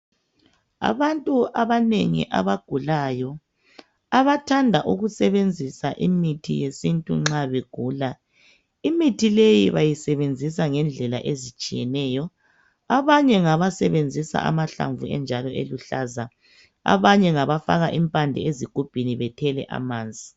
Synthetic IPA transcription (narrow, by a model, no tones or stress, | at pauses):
a̰βantʼuʔaβaneŋḭʔa̰βaɡ̥ʱulajɔ | aβatʰandʱaʔuɣusɛβend͡zʱisaʔimitʰḭjesintʼṵŋ͡ǁaβeɡ̥ʱuːla | imitʰilejiβajisɛβend͡zʱis̬aŋɛnd͡ɮʱɛla̰ʔezit͡ʃʼijɛnɛːjɔ | aβaɲɛŋaβasɛβend͡zʱisa̰ʔa̰maɬa̰ɱvuɛ̰nd͡ʒʱalɔʔḛluɬaːza | a̰βaɲɛŋaβafaɣaʔimpʼandʱɛ̰eziɡ̥ʱub̥ʱiniβɛtʰɛlɛ̰ʔa̰maːnd͡zʱi